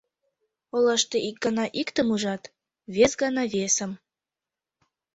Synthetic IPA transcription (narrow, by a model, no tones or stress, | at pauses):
olɑʃt̪eʔik̚ɡɑnɑʔikt̪əmuʒɑt̪ | βesɡɑnɑβesə̆m